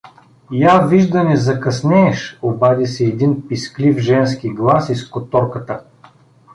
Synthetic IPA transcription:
javiʒd̪ɐnɛzɐkɐsnʲɛːʃobad̪isɛːd̪inpisklifʒɛns̬kiɡlˠasiskot̪ɔɾkət̪ə

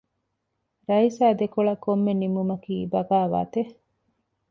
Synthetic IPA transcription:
ɾɐisaːd̪ekoɭɐkːomːenimumɐkiːbɐɡaːʋa̰ːt̪e

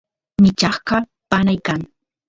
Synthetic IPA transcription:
mɪt͡ʃɑχɢɑ | panajkaŋ

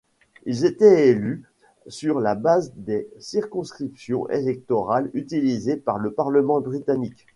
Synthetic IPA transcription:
ilzet̪ɛely | syʁlabazd̪esiʁkɔ̃skχipsjɔ̰̃ʔḛlɛk̚t̪ɔʁalyt̪ilizepaʁləpaʁləmɑ̃bʁit̪anik

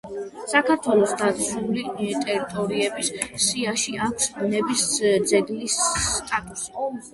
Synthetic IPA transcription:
sakʰaɾt̪ʰwɛlˠɔsd̪asulit̪ʼɛɾit̪ʼɔɾiɛbisːiaʃiʔakʷʰsnɛbisd̪zɛɡlist̪ʼat̪ʼusiqʼɔ

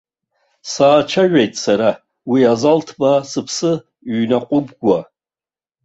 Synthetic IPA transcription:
saːt͡ʃʰaʒᶣejtʼsaɾa | wiazaltʰbasɨpʰsɨ | ɥnaqʷʼʊbɡʷa

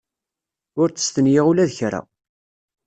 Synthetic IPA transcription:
ʊɾt͡sə̥st̪ənjiʁulæðçɾa̰

